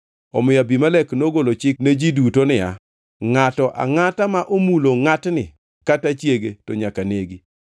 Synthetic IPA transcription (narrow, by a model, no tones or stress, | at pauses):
ɔ̰mɪjabimalɛknoɡolot͡ʃɪkned͡ʒidutonɪja̰ | ŋatɔʔa̰ŋatamaʔomuloŋatnɪ | katat͡ʃjeɡetɔɲakaneɡi